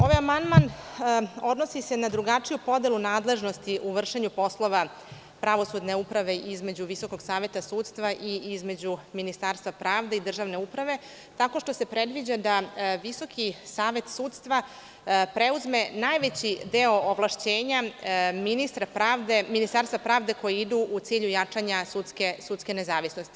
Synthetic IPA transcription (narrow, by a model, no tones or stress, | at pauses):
o̞ʋajamand̪man | o̞d̪no̞sise̞nad̪ɾuɡat͡ʂijupo̞d̪e̞lˠunaːd̪le̞ʒnost̪iʔuʋr̩ʂeɲupo̞slˠo̞ʋa | pɾaʋo̞sud̪ne̞upɾaʋe̞ʔizme̞d͡ʑuʋiso̞ko̞ɡsaːʋje̞t̪asuːt̪st̪ʋaʔiizme̞d͡ʑuminist̪aɾst̪ʋapɾaːʋd̪eid̪r̩ʒaʋne̞upɾaʋe̞ | t̪ako̞ʃt̪o̞se̞pɾe̞d̪ʋid͡ʑad̪aʋiso̞kʰisaːʋe̞t̪suːt̪st̪ʋa | pɾe̞uzme̞najʋet͡ɕid̪eooʋlaʃt͡ɕeːɲaminist̪ɾapɾaːʋd̪eminist̪aːɾst̪vapɾaːʋd̪e̞ko̞jiid̪uʔut̪siːʎujat͡ʂaɲasut̪skesut̪ske̞ne̞zaːʋisnost̪i̥